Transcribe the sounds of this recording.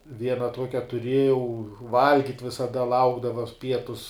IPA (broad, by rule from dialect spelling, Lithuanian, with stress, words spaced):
ˈʋʲiɛnɐ ˈtuɔkʲɛ tʊˈrʲiɛjɛʊ ˈʋɐlʲɡʲɪtʲ ʋʲɪsɐˈdɐ ˈlˠɐʊɡdɐʋɐ ˈpʲiɛtʊs